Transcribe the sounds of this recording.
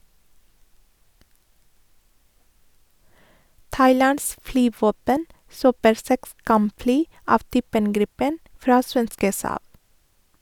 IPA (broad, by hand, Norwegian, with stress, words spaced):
ˈtɑɪˌlɑns ˈflyːˌʋoːpən ˈsøːpəɾ ˈsɛks ˈkɑmˌflyː ˈɑːʋ ˈtyːpən ˈɡɾɪpən ˈfɾɑː ˈsʋɛnskə ˈsɑːb